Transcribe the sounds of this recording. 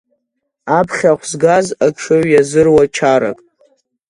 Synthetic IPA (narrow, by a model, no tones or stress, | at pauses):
apʰχʲaχʷzɡazakʂʰoɥjazɨrwat͡ʃʰaɾa̰kʼ